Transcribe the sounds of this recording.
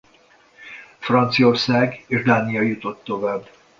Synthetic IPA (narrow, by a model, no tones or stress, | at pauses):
frɒnt̪sio̞rsaːɡeːʒd̪aːnijɒjut̪o̞t̪ːo̞vaːb